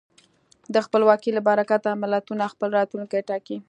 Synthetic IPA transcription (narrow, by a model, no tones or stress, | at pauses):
d̪əxpəlwɑkilabaɾakat̪amalat̪unaxpəlɾɑt̪luŋkajʈɑki